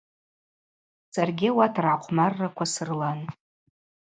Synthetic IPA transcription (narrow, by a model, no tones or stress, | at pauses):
sarɡʲɪawatʰraqʷʰmarːakʷʰasɨrlan